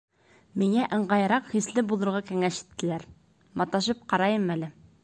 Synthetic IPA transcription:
miŋæʔɤ̆ɴɢɑj̆ɾɑqχislɘbulˠɤ̆ɾʁɑkæŋæʃi̥t̪ːɘ̆læɾ | mɑt̪ɑʃɤp̚qɑɾɑjɤmælɘ

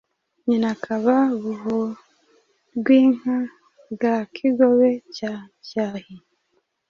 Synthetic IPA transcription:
ɲinakʰaβaβuɦo | ɡwiːŋ̥a | ɡakʰiɡoβecacaːhi

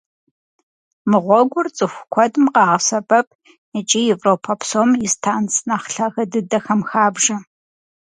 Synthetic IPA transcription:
mɨʁʷɔɡʷʊrt͡sʼɨxʷkʷʰɔdmqɑːʁəsɐbʼɐp̚ʰʼ | ɨt͡ʃʼijɛvroːpʰɐpʰsoːmjistʰaːnt͡sʰʼnaχɬɐɣɐdɨdɐxɐmxaːbʒɐ

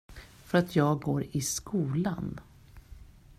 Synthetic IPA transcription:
fœɾat̪ʰjɑːɡɡoːɾɪskuːlan

